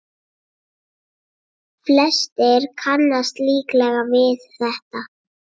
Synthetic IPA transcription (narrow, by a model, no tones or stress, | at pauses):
flɛst̪ɛɾ̥kʰanːast̪liːklɛɣavɪθθɛht̪a